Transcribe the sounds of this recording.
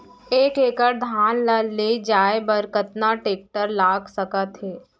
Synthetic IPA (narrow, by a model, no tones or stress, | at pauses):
eːkeːkəɾd̪ʱaːnlaled͡ʒaːebɐɾkət̪naʈeːk̚ʈəɾlaːɡsɐkat̪ɦeː